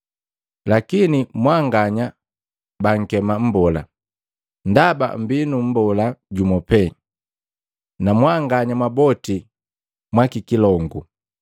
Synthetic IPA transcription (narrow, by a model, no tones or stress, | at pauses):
lakinimwaŋɡaɲa | baŋ̩kɛmam̩bɔla̰ | ndaba̰m̩binum̩bɔlaɟumɔpɛ | namwaŋɡaɲamwabɔti | mwakikilɔŋɡu